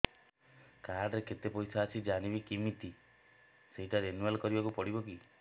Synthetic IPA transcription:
kaɾɖɾeket̪epɔjtʰaːt͡ʃʰid͡ʒanibikimit̪i | seɦiʈaɾenualkɔɾibakupɔɽibɔki

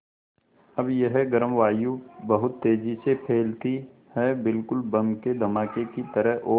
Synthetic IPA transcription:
ɐbjeɦɛɡəɾəmʋaːjubɐɦʊt̪ːeːd͡ʒisepʰeːlt̪i | hɛbɪlkʊlbɐmked̪ʱɐmaːkekit̪əɾəɦʔoː

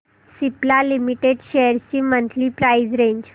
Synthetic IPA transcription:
siplalimiʈeɖɕejəɾt͡ɕiːmənt̪liːpɾaid͡zɾẽɲd͡ʑ

